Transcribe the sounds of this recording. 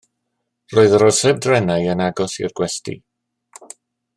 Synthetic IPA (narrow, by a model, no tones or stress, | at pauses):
roːɨðəɾɔ̥sɛb̚drɛnajənaɡɔsḭrɡ̥wɛstḭ